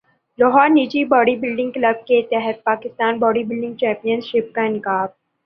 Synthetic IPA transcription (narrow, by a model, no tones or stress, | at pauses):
lɔɦɔːɾniːd͡ʒibɔːɖibɪlɖɪ̃ŋɡklɐb̚ket̪ɛɦɛt̪̚paːkɪst̪aːnbɔːɖibɪlɖɪ̃ŋɡ̚t͡ʃɛ̃ːmpijənʃɪp̚kanɪkaːb̚